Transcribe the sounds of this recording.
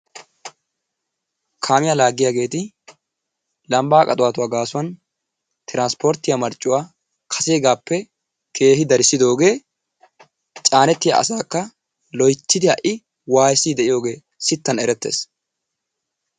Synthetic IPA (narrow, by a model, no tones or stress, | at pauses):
kʰaːmɪjalaːɡːɪjaːɡe̞ːt̪ɪ | lɐmbaːkʼɐt̪ʼʊwaːt̪ʊwaːɡaːsʊwɐn | t̪ɪɾaːnspoɾt̪ːɪjamɐɾt͡ʃʼːʊwaː | kʰɐ̥seːɡaːpːɛ | kʰe̞ːɦɪd̪ɐɾɪsːɪd̪o̞ːɡe̞ː | t͡ʃʼaːnɛt̪ːɪja̰ʔɐ̰saːkːɐ | lɔjt͡ʃːɪd̪ɪhɐʔɪ | waːjsiːd̪ɛʔɪjo̞ːɡe̞ː | sɪt̪ːɐnɛɾɛt̪ːḛːs